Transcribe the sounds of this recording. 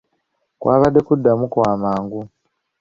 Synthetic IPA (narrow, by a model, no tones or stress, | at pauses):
kwʔaβaɗekudamukuamaːŋɡu